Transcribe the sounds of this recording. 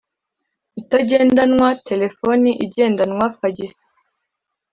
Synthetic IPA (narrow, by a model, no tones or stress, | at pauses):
itaɟe̞ːndanŋwatʰe̞le̞foniʔiɟe̞ːndanŋwafaɟisi̥